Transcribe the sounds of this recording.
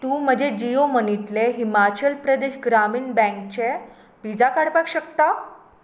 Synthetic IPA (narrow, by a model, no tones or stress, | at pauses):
t̪ũːm̤əd͡ʑed͡ʑiomənit̪leɦimat͡ɕəlpɾəd̪eɕɡɾamiːnbɛ̃ŋk̚t͡ɕe | bid͡zakaɽpakɕəkt̪a